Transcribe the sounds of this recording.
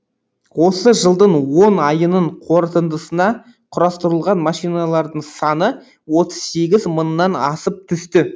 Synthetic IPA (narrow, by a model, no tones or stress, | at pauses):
wo̞səʒəlˠd̪əɴwo̞nɑjənəɴqʰo̞ɾt̪ənd̪əsənɑ | qʰʊɾɑst̪əɾəlˠʁɑnmɑʃijnɑlˠɑɾd̪əɴsɑnə | wo̞t̪əz̥se̞ɡʲɪzmənːɑnɑsəp̚t̪ʰʏst̪ɪ